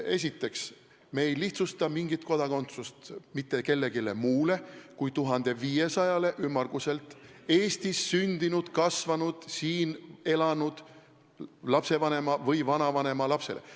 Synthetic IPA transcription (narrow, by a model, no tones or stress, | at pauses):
e̞s̬ʲit̪ːˑe̞ks | meːjliht̪sust̪ɑmiŋɡ̥it̪ko̞d̪ɑko̞nt̪sust̪mit̪ːˑe̞ke̞lːe̞ɡile̞muːle̞kujt̪uɦɑnd̪̥e̞viːje̞sɑjɑle̞ʔymːɑrɡ̥use̞lt̪ːˑe̞ːst̪isːynd̪̥inud̪̥kɑsvɑnud̪̥siːne̞lɑnud̪̥ | lɑpse̞vɑne̞mɑvɤjvɑnɑvɑne̞mɑlɑpse̞̰le̞̰